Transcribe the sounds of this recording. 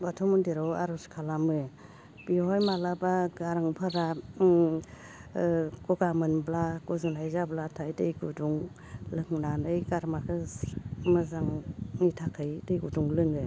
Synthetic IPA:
batʰɔmundiɾɔwaɾɔskʰalamɯ | b̥ihɔjmalabaɡaɾaŋpʰaɾa | kɔɡamɯnblakuzunajzablatʰajdɯjɡuduŋ | lɯŋnanɯjɡaɾmakʰɯ | mɯzaŋnitʰakʰɯjdɯjɡuduŋlɯŋɡɯ

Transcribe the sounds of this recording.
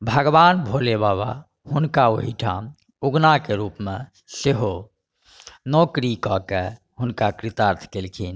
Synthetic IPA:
bʱəɡbanbʱolebaβa | hunkaoɦiʈʰam | uɡnakeɾupme | seɦo | nɔkɾikɔke | ɦunkakɾit̪aɾt̪ʰkelkʰin

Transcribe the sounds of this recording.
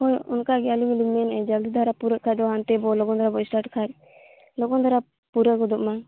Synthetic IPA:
hɔjunkaɡɛalimilimɛnɛd͡ʒaɡd̪id̪ʱaɾapuɾəʔkʰaɾd̪ɔɦant̪ɛbɔlɔkɔnd̪aɾabɔisʈaɾʈkʰaɾ | lɔkɔnd̪aɾa | puɾəɡɔd̪ɔʔma

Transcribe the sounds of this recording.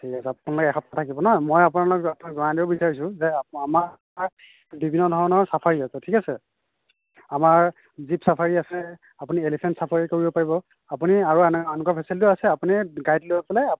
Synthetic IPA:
tʰikasɛapunalɔkɛɛkʰɔp̚atʰakibɔnɔjmojap̬unalɔkapnakzɔnadibɔbisaɹis̬ʊ̃zɛama | a | bibʱinːɔdʱɔɹɔnɔɹsapʰaɹiasɛtʰikasɛ̰ | amaɹ | zipsapʰaɹiasɛ | apunielipʰɛntsapʰaɹikoɹibɔpaɹibɔ | apuniaɹuananukapʰisɛltʊasɛapuniɡajtlojapɛlaa

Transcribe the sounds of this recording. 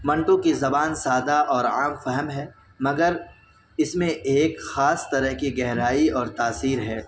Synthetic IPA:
mɐ̃ɳʈõkizɐbaːnsaːd̪aʔɔːɾaːmfɛɦəmɦɛː | mɐɡəɾ | ɪsmẽʔeːkxaːst̪ɐɾəɦkiɡɛɦɾaːiɔːɾt̪aːsiːɾɦɛː

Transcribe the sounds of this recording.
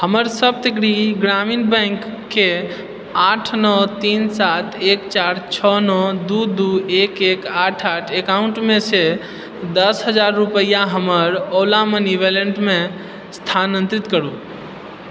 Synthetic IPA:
ɦəməɾsəb̚t̪ekɽiɡɾaminbə̃ŋkː | e | aʈʰnɔt̪insat̪ʰekt͡ʃaɾt͡ʃʰɔnɔd̪ud̪uekekaʈʰaʈʰekauɳʈmese | d̪əsɦəd͡ʒaɾːupəjaɦəməɾolaməniʋeləɳʈme | st̪ʰanə̃nt̪ɾit̪kəɾu

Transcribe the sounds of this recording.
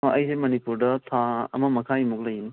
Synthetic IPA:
ɐjsemɐnipuɾdɐtʰaɐ̰mɐmɐkʰaimuk̚lɐjini

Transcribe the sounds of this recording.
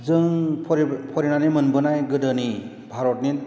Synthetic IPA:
zɯŋpʰɾpʰɔɾinanimɯnbɯnajɡɯdɯni | bʱaɾɔtnit

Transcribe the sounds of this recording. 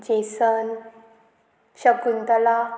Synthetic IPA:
d͡ʑesən | ɕəkunt̪əla

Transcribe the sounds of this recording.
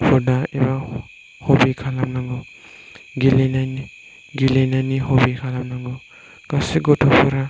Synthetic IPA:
pʰɔdaɛba | hɔbikʰalamnaŋɡɔ | ɡilenani | ɡilenaniɦobikʰalamnaŋɡɔ | ɡ̥asiɡɔtʰɔpʰɔɾa

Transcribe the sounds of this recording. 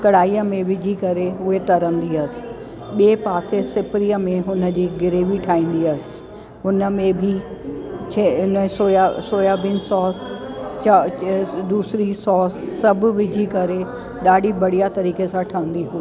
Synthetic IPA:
kɐɽ̤aːiːəmẽʋɪd͡ʑʱikɐɾeɦʊɦet̪ɐɾə̃nd̪iɐsɪ̥̆ | ɓeːpaːsesɪpɾiːəmẽɦʊnə̆d͡ʑiːɡɪɾeːʋiʈʰaːĩːn̆d̪iɐsɪ̥̆ | ɦʊnə̆mẽbʱi | t͡ɕʰeʊnə̃soːjasoːjaʋĩnsɔːst͡ɕ | d̪uːsɾisɔːsːɐbʱʊ̆ʋɪd͡ʑʱikɐɾe | ɗaːɖʱibɐɽ̤ijat̪ɐɾiːkesãʈʰaːə̃n̆d̪iɦuː

